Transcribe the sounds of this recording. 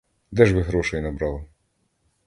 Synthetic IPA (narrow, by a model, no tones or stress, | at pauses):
d̪ɛʒʋɪɦɾɔʃejinɛbɾɑlˠɪ